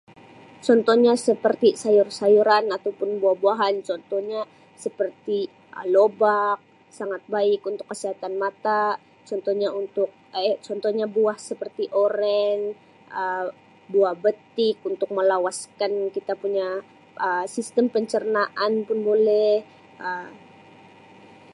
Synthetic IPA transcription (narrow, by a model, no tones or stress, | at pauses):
t͡ʃɔnt̪ɔhɲasəpərt̪isajʊrsajuɾanat̪awpʊnbuahbuaɦant͡ʃɔnt̪ɔhɲa | səpərt̪i | lobak̚ | saŋat̪̚baɪkunt̪ʊkːəsiɦat̪anmat̪a | t͡ʃɔnt̪ɔhɲaunt̪ʊk̚t͡ʃɔnt̪ɔhɲabuahsəpərt̪iʔoɾɛn | ʔə | buahbət̪ɪk̚unt̪ʊk̚məlawaskankit̪apuɲa | ʔəsist̪əmpəɲt͡ʃərnaʔanpʊnbolɛh | ʔəm